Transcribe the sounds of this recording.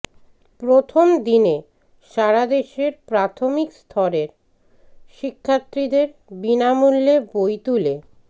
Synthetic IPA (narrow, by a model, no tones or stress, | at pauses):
pɾot̪ʰomd̪ine | ʃaɾad̪eʃeɾpɾat̪ʰomikst̪ʰɔɾeɾ | ʃikʰːat̪ːɾid̪eɾbinamulːebojt̪ule